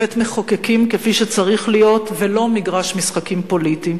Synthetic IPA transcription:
et̪meχokekimkefiʃet͡saʁiχlijo̞t̪velo̞miɡʁaʃmisχakimpo̞liti

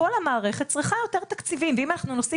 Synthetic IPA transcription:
olamaːʁe̞χet̚t͡sʁiχajo̞t̪e̞ʁt̪akt͡sivimveimanaχnunosi

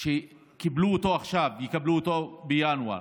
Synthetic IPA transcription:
ʃe | kibluːt̪o̞aχʃavjikabluːt̪obejanua̰

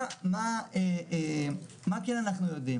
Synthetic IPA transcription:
maee | makenanaχnujod̪im

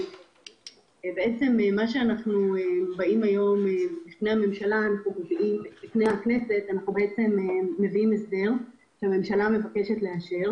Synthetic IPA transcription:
beet͡se̞memaʃeanaχnuebaimajo̞mebifne̞jhame̞mʃalaːnaχnumeviimbifnejakne̞se̞tanaχnube̞et͡se̞meːe̞viimesde̞ʁ | ʃeame̞mʃalame̞vake̞ʃetle̞aʃeʁ

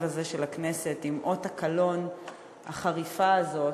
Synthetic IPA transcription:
ʁazeʃelakne̞se̞timʔo̞takalo̞n | ha̰χaʁifaːzo̞

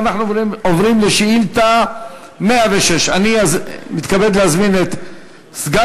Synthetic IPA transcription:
naχnuovʁimleʃiilt̪a | meaveʃeʃaniamit̪kabed̪leazminet̪ | sɡa

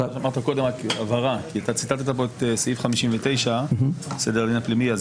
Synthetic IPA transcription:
amaʁt̪ako̞d̪e̞maavaʁakiat̪at͡sit̪alt̪at̪ap̬o̞et̪eseifχamiʃimvet̪e̞jʃabsed̪eʁad̪inaplimiaz

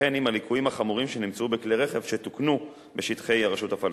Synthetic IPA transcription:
enimalikʰujimhaχamuʁimʃe̞nimt͡subekleʁe̞χe̞vʃet̪uknu | beʃit̪χe̞jaʁaʃutafal

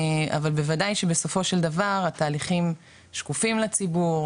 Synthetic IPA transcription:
a̰valbe̞vadajʃebeso̞fo̞ʃe̞ld̪avaʁat̪aːliχim | ʃkufimlat͡sibuʁ

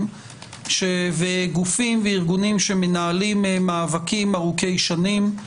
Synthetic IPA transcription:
m | ʃeveɡufimveiʁɡunimʃe̞me̞naːlimemaːvakimaʁuke̞jʃanim

